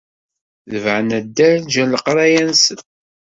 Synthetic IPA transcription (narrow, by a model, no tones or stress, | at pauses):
ðəvʕənæd̪ːæɾnd͡ʒæləqɾˤajænsən